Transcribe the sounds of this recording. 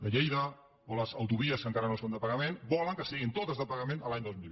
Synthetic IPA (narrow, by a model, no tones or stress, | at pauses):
ləʎejðə | oləzəwt̪uβ̞iəskəŋkaɾənosond̪əpəɣəmenbɔləŋkəsiɣint̪ot̪əzðəpəɣəmẽnəlaɲd̪ozmilβ